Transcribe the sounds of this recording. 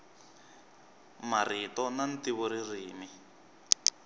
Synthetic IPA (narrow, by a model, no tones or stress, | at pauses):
maritɔnantiβɔɾiriːmi